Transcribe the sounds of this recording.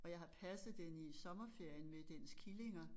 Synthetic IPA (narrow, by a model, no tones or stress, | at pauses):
ɒ̽jɑ̈ɪhɑ̈pʰæsð̩ˠd̥enisɒ̽mɐfe̝ɐ̰jənmed̥en̰skʰile̝ŋɐ